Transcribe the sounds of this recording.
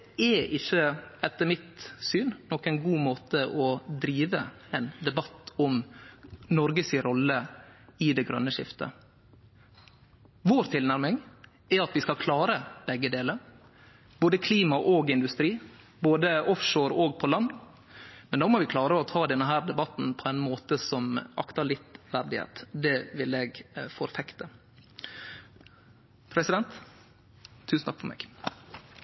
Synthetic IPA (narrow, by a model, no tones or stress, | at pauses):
ɛʔɪçːəɛt̪ːəɾmɪt̪syːnnɔkːɛnɡuːmoːt̪əʔɔd̪ɾiːʋəɛnd̪ɛbɑt̪ːɔm | nɔɾɡəsɪɾɔlːəɪd̪ɛɡɾœ̰nːəʃɪ̰ft̪ə̰ | ʋoːɾt̪ʰɪlnæɾmɪŋ | ɛɑt̪ʋɪskɑlkʰlɑːɾəb̥ɛɡːəd̪eːləɾ | b̥oːd̪əkʰliːmɑʔoːɡɪnd̪ʉst̪ɾiː | boːd̪əʔɔfʃoːɾoːɡ̚pʰɔlɑnː | mɛnd̪ɑːmɔʋɪkʰlɑːɾəɔt̪ʰɑːd̪ɛnːəɦæːɾd̪ɛbɑt̪n̩pʰɔæɪnmoːt̪əsɔmʔɑ̰kt̪ɑɭɪt̪ʋæɾɖ̪ɪhḛːt̪d̪ɛʋɪleɡfɔɾfɛkt̪ə | pʰɾɛsɪd̪ɛnt̪ | ʉːsn̩t̪ʰɑ̥kfɔmḛːɡ